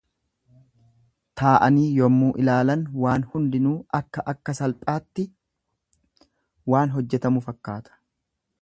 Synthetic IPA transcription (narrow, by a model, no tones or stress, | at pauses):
t̪ʰaːʔɐniːjɔmːuːʔɪlaːlɐnwaːnhʊnd̪ɪnuːʔɐkːɐʔɐkːɐsɐlpʼaːt̪ːɪ | waːnɦɔd͡ʒːɛt̪ɐmʊfɐkːaːt̪ʰɐ̥